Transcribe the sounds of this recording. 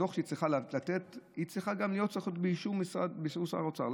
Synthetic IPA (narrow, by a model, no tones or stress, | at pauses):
oχʃeit͡sʁiχallat̪et̪it͡sʁiχaɡamlijot̚siχot̪beiʃumisʁa̰d̪biʃusa̰ʁot͡sa̰ʁl